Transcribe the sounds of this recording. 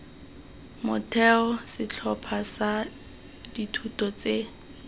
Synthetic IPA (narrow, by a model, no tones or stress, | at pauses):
mʊtʰɛɔsɪt͡ɬʰɔpʰasa | ditʰutʼɔt͡se